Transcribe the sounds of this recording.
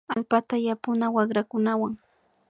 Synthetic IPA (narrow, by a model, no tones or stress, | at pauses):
alpat̪ajapʊnawɑχɾakʊnawaŋ